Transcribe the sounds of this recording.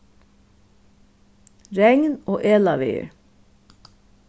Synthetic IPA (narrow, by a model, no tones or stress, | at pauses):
ɾɛŋnoːʔeːlɑʋeːə̰ɹ